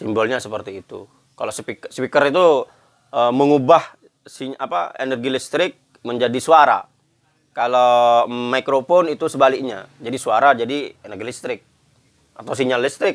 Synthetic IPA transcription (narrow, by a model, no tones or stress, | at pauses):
simbɔlɲasəpərt̪iːt̪u | kalosəpiksəpikəɾit̪u | əməŋubah | sia̰pa̰ḛnərɡilist̪ɾɪk̚ | məɲd͡ʒadisuaɾa̰ | kalamaikɾofɔnit̪usəbalɪk̚ɲad͡ʒadisuaɾad͡ʒadienərɡilist̪ɾɪk̚ | at̪aws̬iɲalist̪ɾɪk̚